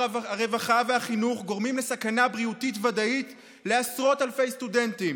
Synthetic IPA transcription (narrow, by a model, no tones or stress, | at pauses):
aʁe̞vaχaveaχinuχɡo̞ʁmimle̞sakanabʁiutitvadait | le̞asʁo̞thalfe̞jstude̞ntim